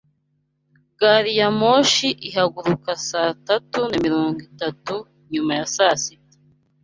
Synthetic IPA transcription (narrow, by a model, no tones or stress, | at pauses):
ɡ̥aɾijamoʃiʔiɦaɡuɾukasatatunamiɾoːŋɡitatu | ɲumajasasitḁ